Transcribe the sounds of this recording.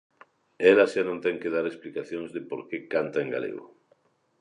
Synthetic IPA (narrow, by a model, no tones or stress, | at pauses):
ɛlaʃanõnt̪ɛŋkeð̞aɾesplikaθjõŋzðɪpoɾkekant̪aeŋɡa̰lḛɣo̰